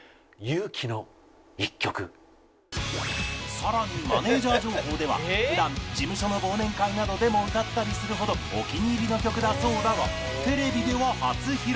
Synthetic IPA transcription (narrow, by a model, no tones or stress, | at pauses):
jɯːkʲʰino̞ | ikʲːo̞kɯ̟̰ | saɾaɲ̟ima̰ne̞ːʑaːd͡ʑo̞ːɦo̞ːd̪e̞β̞a̰ɸɯ̟d̪ãnd͡ʑimɯ̟ɕo̞no̞bo̞ːnẽ̞ŋkainad̪o̞d̪e̞mo̞ɯ̟t̪at̪ːaɾʲisɨɾɯ̟ɦo̞d̪o̞ | o̰kʲiɲ̟iːɾʲino̞kʲo̞kɯ̟d̪azo̞ːɾaɡa̰ | t̪e̞ɾe̞bʲid̪e̞βahat͡sɨçiɾ